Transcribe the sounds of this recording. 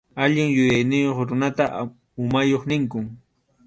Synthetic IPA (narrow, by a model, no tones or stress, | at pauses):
aʎɪŋjʊjajnɪjoχɾʊnat̪aʔ | ʊmajoχnɪŋkʊŋ